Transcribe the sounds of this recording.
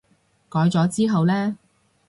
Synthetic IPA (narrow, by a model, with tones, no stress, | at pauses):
kɔː˨˥jt͡sɔː˨˥t͡siː˥ɦɐ˨wlɛː˥